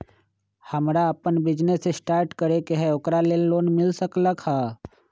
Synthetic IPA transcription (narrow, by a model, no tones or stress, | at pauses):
həmɾaəpənbɪd͡ʒnesːesʈaːɾʈkəɾekeɦɛokɾalelːoːnmɪlsəkləkha